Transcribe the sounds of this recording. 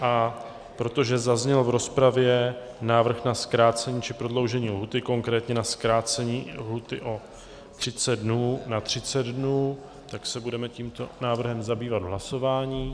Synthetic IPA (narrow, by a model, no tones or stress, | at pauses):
ʔa | pɾo̞t̪o̞ʒɛzazɲɛlvɾo̞spɾavjɛ | naːvr̩xnaskɾaːt͡sɛɲiːt͡ʃɪpɾo̞dlo̞wʒɛɲiːlɦut̪ɪko̞ŋkɾɛːt̪ɲɛnaskɾaːt͡sɛɲiːlɦut̪ɪʔo̞ | t̪r̝̥ɪt͡sɛdnuːnat̪r̝̥ɪt͡sɛd̪dnuː | t̪aksɛbudɛmɛciːmt̪o̞naːvr̩ɦɛmzabiːvad̪ɦlaso̞vaːɲiː